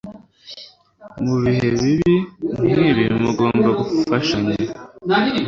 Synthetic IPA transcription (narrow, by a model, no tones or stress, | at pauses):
muβiɦeβiβimiβiɾimuɡo̞ːmbaɡuffaʃaɲe